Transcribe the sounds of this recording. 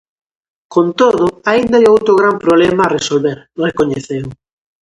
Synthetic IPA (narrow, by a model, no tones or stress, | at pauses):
kont̪oðʊaind̪ajowt̪ɾoɣ̞ɾampɾoβlemaresolβeɾ | rekoɲeθew